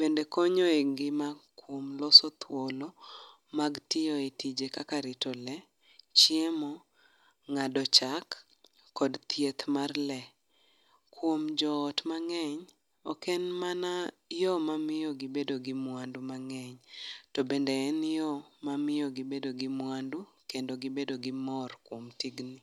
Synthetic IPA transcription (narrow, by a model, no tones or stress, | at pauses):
b̥endekɔɲoeɡɪmakwomlɔsɔt̪ʰwolo | maɡtɪjoetid͡ʒekakaɾɪtɔlɛ | t͡ʃiemɔ | ŋadɔt͡ʃakː | ɔdt̪jet̪marlɛ | kwomd͡ʒɔːtmaŋɛɲ | ɔkɛnmana | jɔmamɪjɔɡɪbedoɡɪmwandumaŋɛɲtobendɛɛnjɔmamɪjɔɡɪbedoɡɪmwandu | kendoɡɪbedoɡɪmɔrkwomtiɡni